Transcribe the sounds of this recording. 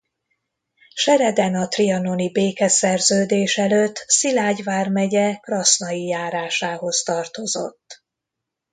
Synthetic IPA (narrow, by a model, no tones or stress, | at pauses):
ʃɛɾɛd̪ɛnɒt̪riɒnonibeːkɛsɛrzøːd̪eːʃɛløt̪ːsilaːɟvaːrmɛɟɛkrɒsnɒjijaːɾaːʃaːɦo̞st̪ɒrt̪o̞zo̞̰t̪ː